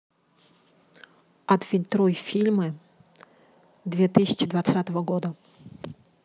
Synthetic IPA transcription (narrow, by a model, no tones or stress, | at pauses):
at̪fʲinʲt̪ɾɔjfʲilʲmɨ | d̪vʲɛt̪ɨsʲə̥t͡ɕɪd̪vat̪sat̪əvəɡɔd̪ə